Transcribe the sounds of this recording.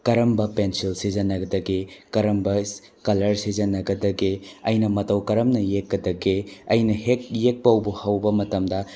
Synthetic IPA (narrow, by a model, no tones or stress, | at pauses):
kɐɾɐmbɐpensilsizɐnːɐɡɐdɐɡekɐɾɐmbɐs | kɐlɐɾsizɐnːɐɡɐdɐɡeɐjnɐmɐtɐwkɐɾɐmnɐjekːɐdɐɡeɐjnɐhek̚jek̚pɐwbuhɐwbɐmɐtɐmdɐ